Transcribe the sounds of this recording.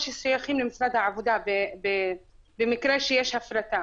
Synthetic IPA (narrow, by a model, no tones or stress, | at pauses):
ʃisːʊjaxiːmlɪmɪsɾad̪aʕavʊd̪aːbbɪbɪmɪkɾaːʃjeʃhafɾat̪aː